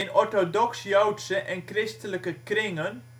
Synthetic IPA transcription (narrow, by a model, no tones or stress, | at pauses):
nɔɹtodɔksjowtsəʔɛnkrɪstələkəkrɪŋən